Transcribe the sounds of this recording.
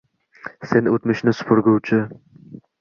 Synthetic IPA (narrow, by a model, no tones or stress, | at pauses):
senot̪mɪʃnɪsʊ̥pʰʊɾɡʲʊwt͡ʃʰɪ